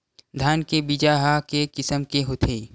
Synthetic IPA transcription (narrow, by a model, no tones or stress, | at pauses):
d̪ʱaːnkebid͡ʒaːɦakekɪsəmkeɦot̪ʰeː